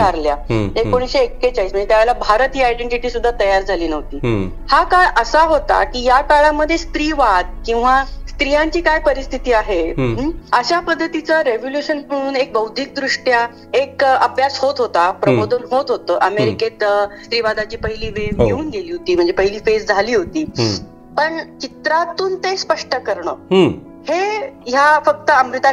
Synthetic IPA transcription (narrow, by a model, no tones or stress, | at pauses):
aɾljaek̚koɽ̃iɕeekːet͡ɕaiːsm̤əɳnd͡zet̪jaʋelabʱaɾət̪iːajɖeɳʈiʈiːsud̪ʱːat̪əjaɾd͡zʱaliːnəɦt̪iː | hakaɭəsaɦot̪a̰kiːjakaɭaməd̪ʱːjest̪ɾiːʋad̪̚kĩw̃ʋast̪ɾijaɲt͡ɕiːkajpəɾist̪ʰit̪iːaɦe | əɕapəd̪ʱːət̪it͡saɾeʋoljuɕənməɽ̃ũːnek̚bəwd̪ʱiːk̚d̪ɾuʂʈja | ekəpjashot̪ɦot̪apɾəbod̪ʱənɦot̪ɦot̪əːʔəmeɾiket̪st̪ɾiːʋad̪at͡ɕiːpəɦiliːʋeeuːnɡeliːɦot̪iːm̤əɳd͡zepəɦiliːfesd͡zʱaliːɦot̪iː | pəɳt͡ɕit̪ɾat̪uːnt̪espəʂʈəkəɾɳə̰ːɦ | hejafək̚t̪əəmɾit̪a